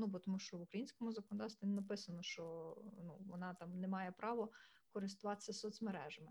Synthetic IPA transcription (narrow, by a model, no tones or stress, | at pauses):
nubɔt̪ɔmuʃt͡ʃɔʋukɾɐjinʲsʲkɔmʊzɐkɔnɔd̪ɑwsʲʋʲinnɐpɪsɐnɔʃt͡ʃɔnṵʋɔ̰nɑt̪ɑmnemɑjɛpɾɑʋɔkɔɾɪst̪ʊʋɑt̪e̥sʲɐsɔt̪sʲmeɾɛʒɐmɪ